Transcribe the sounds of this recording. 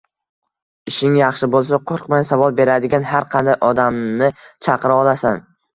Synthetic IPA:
ɪʃɪŋjɑχʃɪbolˠs̬aqʰoɾqmajsavɒlˠbe̞ɾad̪ɪɡʲanhaɾqʰɑnd̪ajʔɒd̪amnɪt͡ʃʰɑqɨɾɪɒlˠasan

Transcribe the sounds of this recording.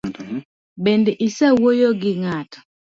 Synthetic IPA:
bendeʔisawojoɡɪŋat

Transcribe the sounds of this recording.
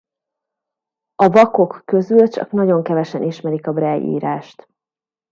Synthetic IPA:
ɒvɒko̞kːø̞zylt͡ʃɒ̰knɒɟo̞ŋkɛvɛʃɛniʃmɛɾikɒbrɛjḭːɾaːʃt̪

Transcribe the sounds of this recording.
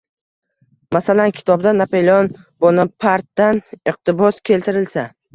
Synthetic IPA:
masalankʲʰɪ̥t̪ʰɒb̚d̪anapelʲɒn | b̥ɒnɪpʰaɾt̪ːanɪq̚t̪ɪbɒskʲʰe̞lt̪ɪɾɪlsa

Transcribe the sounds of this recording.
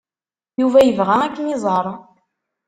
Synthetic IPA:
juvæjəvʁæækːənizˤɑɾˤ

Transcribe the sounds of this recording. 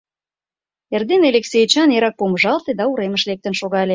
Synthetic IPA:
erd̪enelʲeksʲejt͡ɕɑneɾɑk̚poməʒɑlˠt̪ed̪ɑuɾemə̆ʃlek̚t̪ə̆nʃoɣɑlʲe

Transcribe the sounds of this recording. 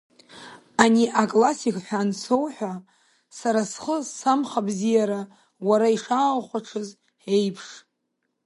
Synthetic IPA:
aniʔakʼlasikʰʼħʷᶣansʰo̞wħʷᶣa | saɾasχəsamχabzijaɾa | waɾaiʂaːlχʷaʈ͡ʂʰɨz | ħejpʰʂ

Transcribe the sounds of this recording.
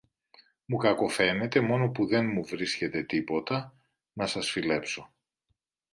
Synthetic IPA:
mukɐko̞fe̞ne̞t̪e̞mo̞no̞puðe̞nmuvɾisce̞t̪e̞t̪ipo̞t̪ɐ | nɐsɐsfile̞pso̞

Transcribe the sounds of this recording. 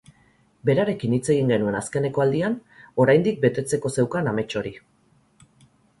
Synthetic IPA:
be̞ɾaɾe̞kinit͡se̞ɣ̞iŋɡe̞nue̞naske̞ne̞ko̞ald̪iano̞ɾajnd̪ik̚be̞t̪e̞t͡se̞ko̞se̞wkaname̞t͡ʃo̞ɾi

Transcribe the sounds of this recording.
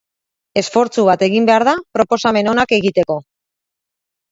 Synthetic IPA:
e̞sfo̞ɾt͡suβ̞at̪e̞ɣimbe̞aɾðapɾo̞po̞same̞no̞nake̞ɣit̪e̞ko̞

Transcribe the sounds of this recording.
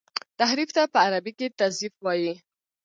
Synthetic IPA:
t̪aɦɾift̪apəaɾabiket̪azifwɑji

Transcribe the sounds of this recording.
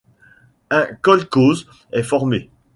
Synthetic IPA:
ɛ̃kɔlkoz | ɛfɔʁme

